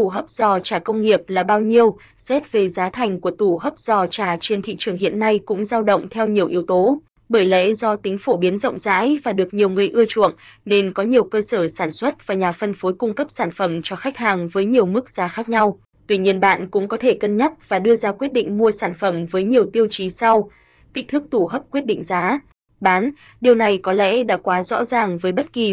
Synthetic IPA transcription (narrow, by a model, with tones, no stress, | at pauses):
t̪u˧˩ɦəː˦˥p̚z̥ɔ˨˩t͡ɕaː˧˩kə˧wŋ͡mŋi˨˩əp̚laː˨˩ɓaː˧wɲi˧əw | sɛ˦˥t̚ve˨˩zaː˨˦t̪ʰa˨˩jŋ̟ku˧˩ət̪u˧˩ɦəː˦˥p̚z̥ɔ˨˩t͡ɕaː˧˩t͡ɕe˧nt̪ʰḭ˧˨t͡ɕɨ˨˩əŋɦḭ˧˨ənːa˧jkʊ̰˧˥ŋ͡mzaː˧wɗə̰˧˨wŋ͡mt̪ʰɛ˧wɲi˨˩əwʔi˨˦wt̪o˨˦ | ɓəː˧˩jlɛ̰˧˥zɔ˧t̪ï˨˦ŋ̟fo˧˩ɓi˨˦ənzə̰˧˨wŋ͡mza̰ː˧˥jvaː˨˩ɗɨ˨˩ək̚ɲi˨˩əwŋɨ˨˩əjʔɨ˧ət͡ɕṵ˧˨əŋne˧nkɔ˨˦ɲi˨˩əwkəː˧səː˧˩saː˧˩nswə˦˥t̚vaː˨˩ɲaː˨˩fə˧nfo˨˦jkʊ˧ŋ͡mkə˦˥p̚saː˧˩nfə˧˩mt͡ɕɔ˧xa˦˥jk̟̚haː˨˩ŋvəː˨˦jɲi˨˩əwmɨ˦˥k̚zaː˨˦xaː˦˥k̚ɲa˧w | t̪wi˧ɲi˧ənɓa̰ː˧˨nkʊ̰˧˥ŋ͡mkɔ˨˦t̪ʰe˧˩kə˧nɲə˦˥t̚vaː˨˩ɗɨ˧əzaː˧kwi˦˥ət̚ɗḭ˧˨ŋ̟mu˧əsaː˧˩nfə˧˩mvəː˨˦jɲi˨˩əwt̪i˧əwt͡ɕi˨˦sa˧w | t̪i˦˥k̟̚t̪ɨ˦˥k̚t̪ʰu˧˩ɦəː˦˥p̚kwət̚ɗḭ˧˨ŋ̟zaː˨˦ | ɓaː˨˦n | ɗi˨˩əwna˨˩jkɔ˨˦lɛ̰˧˥ɗa̰ː˧˥kwaː˨˦zɔ̰˧˥zaː˨˩ŋvəː˨˦jɓə˦˥t̚ki˨˩